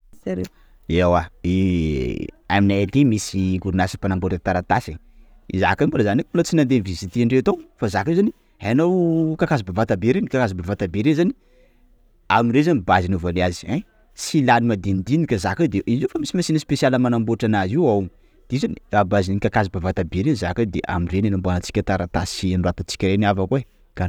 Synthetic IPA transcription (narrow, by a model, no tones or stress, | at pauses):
saɾe | awae | aminajat̪emisiɡuɾunasipanamboʈ͡ʂat̪aɾat̪asi | iza̰kaimbulazanakbulat͡sinand̪envizit̪iaɳɖ͡ʐet̪ofazakiwzani | hanowkakazbavat̪abeɾenikakazibavat̪abeɾezani | amiɾezanibazinuvaleazi̥a | silanimad̪ind̪inikazakad̪eʔiziwfamisimasinispesialəmanamboʈ͡ʂanaziwaw | d̪̥ezaniabazinikakazibavat̪abeɾenzakad̪eʔa̰mirenenambanat͡si̥kʲat̪aɾat̪asianruat̪at͡si̥kʲəɾenavakue | ka